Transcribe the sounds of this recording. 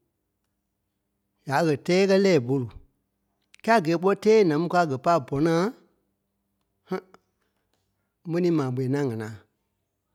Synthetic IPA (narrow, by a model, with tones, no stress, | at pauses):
ja˨˦ɣɜ˨tɛː˦kɜ˦lɛː˦˨bo˨lu˨ | kɛ˦a˦˨ɡɛː˨˦k͡pɔ˦tɛː˦nã˨mũ˦ka˧˦˨ɡɜ˨pa˦˨bɔ˨˦nãː˦ | h | mɛ̃˦nĩː˨˦mãː˨ɓe˨ɛ˨nã˦˨ŋã˨nãː˨